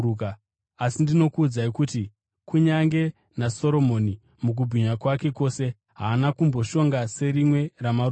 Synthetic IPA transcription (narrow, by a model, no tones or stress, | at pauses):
ka | asindino̞kuːd͡zaikuti | kuɲaŋɡe̞ | naso̞ɾo̞mo̞ni | muk̬ubʱiɲakwake̞ko̞se̞ | ɦaːnakumbo̞ʃo̞ŋɡase̞ɾimwe̞ramaɾ